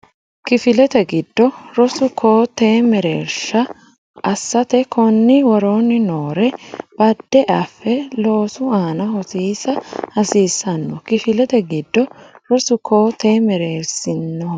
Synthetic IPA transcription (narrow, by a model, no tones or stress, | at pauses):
kɪfɪlɛt̪ɛɡɪd̪ːɔɾɔsʊkʰoːt̪eːmɛɾeːɾsɐ | ʔɐsːɐt̪ɛkɔnːɪwɐɾoːnːɪnoːɾɛb̥ɐd̪ːɛʔɐfːɛlo̞ːsʊaːnɐhɔsiːsɐhɐsiːsːɐnːɔkɪfɪlɛt̪ɛɡɪd̪ːɔɾɔsʊkoːt̪eːmɛɾeːɾsɪnːɔ